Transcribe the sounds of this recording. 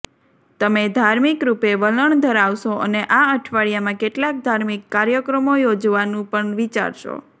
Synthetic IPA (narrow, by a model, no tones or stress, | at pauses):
t̪əmed̪ʱaɾmikɾupeʋələɳd̪ʱəɾaʋʃoʔəneʔaəʈʰʋaɭijamãkeʈlak̚d̪ʱaɾmikːaɾjəkɾəmojod͡ʒʋanũpəɳʋit͡ʃa̰ɾʃo̰